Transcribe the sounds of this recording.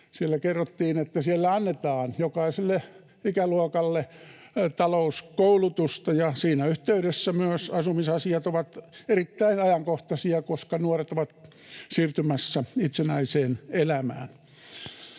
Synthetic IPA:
sielːækerːot̪ːiːnet̪ːæsielːæɑnːet̪ɑːnjokɑiselːe | ikæluokɑlːe | t̪ɑlouskoulut̪ust̪ɑjɑsiːnæyht̪eyɾesːæmyøsɑsumisɑsiɑt̪oʋɑt̪erit̪ːæinɑjɑŋkoht̪ɑsiɑkoskɑnuoret̪oʋɑt̪ | siːrt̪ymæsːæit̪senæiseːnelæmæ̰ːn

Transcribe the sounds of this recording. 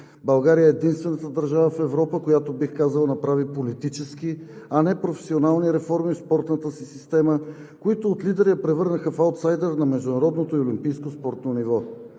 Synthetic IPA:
bɐlˠɡaɾijəɛːd̪inst̪vɛnət̪əd̪ɐɾʒavəfɛvɾɔpəkojat̪obixkazəlˠənɐpɾavipolit̪it͡ʃɛskiɐnɛpɾofɛ̥sionalˠniɾɛfɔɾmifspɔɾt̪nət̪əsisist̪ɛmə | koit̪ʊːt̪lid̪ɛɾiəpɾɛvɤɾnəxəfalt̪sajd̪ɛɾnɐmɛʒd̪ʊnɐɾɔd̪not̪oiolimpijskospɔɾt̪nonivɔ

